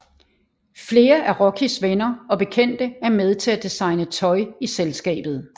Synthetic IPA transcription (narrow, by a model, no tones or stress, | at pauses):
fle̝ːɐʔæɐʁɒkʰisʋenɐɒ̽b̥e̝kʰen̰d̥əæɐmeð̞ˠt͡sʰe̝læd̥isɑ̈ɪnət͡sʰɒ̽ɪiselsɡ̥ɛ̰ːb̥ð̩ˠ